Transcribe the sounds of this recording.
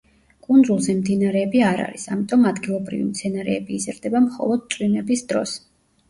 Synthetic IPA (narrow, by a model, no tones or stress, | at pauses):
kʼund̪zulˠzɛmd̪inaɾɛːbiaɾa̰ɾisamit̪ʼɔmad̪ɡilˠɔbɾḭvḭmt̪sʰɛnaɾɛ̰ːbiːzɾd̪ɛbamχɔ̰lˠɔd̪̚t̪sʼwinɛbisd̪ɾɔ̰s